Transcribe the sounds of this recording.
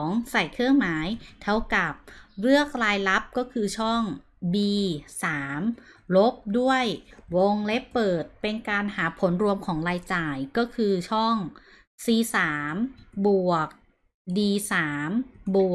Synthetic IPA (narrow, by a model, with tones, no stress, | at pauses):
ŋsa˨˩jkʰɯ˥˩əŋmaː˩˦jt̪ʰa˦˥wka˨˩p̚ɾɯ˥˩ək̚ɾaː˧jla˦˥p̚kɔː˥˩kʰɯː˧t͡ɕʰɔː˥˩ŋ | biː˧saː˩˦m | lo˦˥p̚du˥˩əjwo˧ŋle˦˥pːɤː˨˩t̪̚pe˧nkaː˧nhaː˩˦pʰo˩˦nɾu˧əmkʰɔː˩˦ŋɾaː˧jt͡ɕaː˨˩jkɔː˥˩kʰɯː˧t͡ɕʰɔː˥˩ŋ | siː˧˩saː˩˦mbu˨˩ək̚ | diː˧saː˩˦mbu˨˩